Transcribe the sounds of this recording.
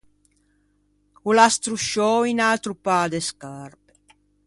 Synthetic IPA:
ulast̪ɾuʃɔinalt̪ɾupaːd̪eskarpe

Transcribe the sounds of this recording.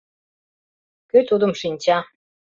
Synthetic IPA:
køt̪ud̪ə̆mʃinʲt͡ɕɑ

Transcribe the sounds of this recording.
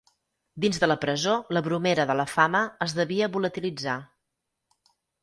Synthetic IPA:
d̪inzðələpɾəzoləβɾumeɾəðələfaməːzðəβiəβulət̪ilid͡za

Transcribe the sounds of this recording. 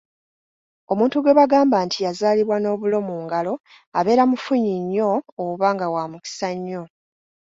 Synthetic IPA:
o̞muːntuɡwe̞βaɡaːmbaːntʰijazaːliβwano̞ːβulo̞muːŋɡalo̞ | aβe̞ːɾamufuɲiɲːo̞ːβaːŋɡawaːmuki̥saɲːo̞

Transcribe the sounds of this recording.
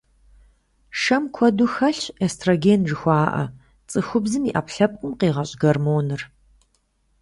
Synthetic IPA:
ʂɐmkʷʰɔduxɐɬestʰroɡeːnʒɨxʷɑːʔɐ̰ | t͡sʼɨxʷʊbzɨmiːʔɐpɬɐp̚qʷʼʊmqiːʁɐɕʼɡɐrmoːnɨr

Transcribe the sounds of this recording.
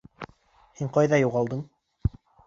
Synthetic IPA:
hiɴqɑjðɑjuʁɑlˠd̪ɤɴ

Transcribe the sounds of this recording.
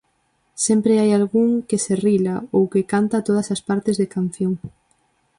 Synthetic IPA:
sempɾeajalɣuŋkeserilaowkekant̪at̪oð̞ɐsɐspaɾt̪ɪzðekan̟θjoŋ

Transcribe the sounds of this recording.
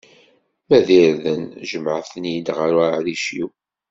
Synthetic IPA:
mæðiɾðənʒəməʕθnjid̪ʁəɾaʕðiʃiw

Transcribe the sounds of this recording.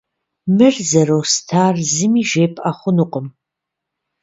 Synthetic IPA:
mɨrzɐɾowstʰaːrzɨmiːʒeːpʰʼaχʷʊnuqʼəm

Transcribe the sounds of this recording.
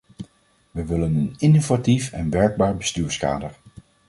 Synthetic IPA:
ʋəʋɪlənənɪnovatifɛ̰nʋɛɹɡ̚baːɹbəstyːɹska̰ːdəɹ

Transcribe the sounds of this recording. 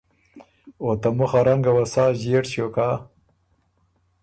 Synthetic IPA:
ot̪amʊxaɾaŋɡawasɑːʑeʈɕoka

